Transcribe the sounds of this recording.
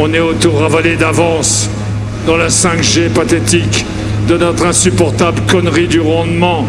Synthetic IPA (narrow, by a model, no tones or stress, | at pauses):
ɔ̃nɛot̪oʁavaled̪avɑ̃s | d̪ɑ̃lasɛ̃kʒepat̪et̪ik | d̪ənɔt̪χɛ̃sypɔʁt̪abləkɔnʁid̪yʁɑ̃d̪mɑ̃